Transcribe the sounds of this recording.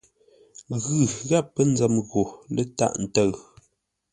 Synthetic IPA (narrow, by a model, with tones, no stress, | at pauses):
ɣʉ˨ɣa˦˨pːə˦n̩˦d͡zə˨mɣo˨lə˦ta̰˦ʔn̩˨tə˦˨ɰ